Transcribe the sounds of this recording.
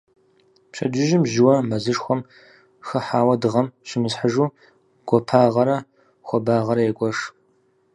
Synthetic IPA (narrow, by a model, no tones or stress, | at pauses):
pɕɐ̰d͡ʒɪʒɪmʒɪwɐmɐzɨʂxʷɔm | xɐħaːwɐdɨʁɐmɕɪmɨsħəʒuː | ɡ̥ʷɔpʰaːʁɐɾɐ | xʷɔbaːʁɐɾɐjeɡʷɔʂ